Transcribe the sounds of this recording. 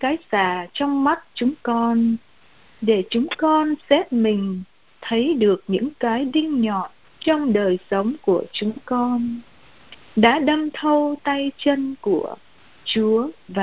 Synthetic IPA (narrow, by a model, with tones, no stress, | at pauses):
kaː˨˦jsaː˧˩t͡ɕɔ˧wŋ͡mma˦˥t̚t͡ɕʊ˨˦ŋ͡mkɔ˧n | ɗe˧˩t͡ɕʊ˨˦ŋ͡mkɔ˧nsɛ˦˥p̚mï˨˩ŋ̟ | t̪ʰə˨˦jɗɨ˨˩ək̚ɲɨ̰˧˥ŋkaː˨˦jɗï˧ŋɲɔ˨˩t̚ | t͡ɕɔ˧wŋ͡mɗəː˨˩jsə˨˦wŋ͡mku˧˩ət͡ɕʊ˨˦ŋ͡mkɔ˧n | ɗa̰ː˧˥ɗə˧mt̪ʰə˧wt̪a˧jt͡ɕə˧nku˧˩ə | t͡ɕu˨˦əva˨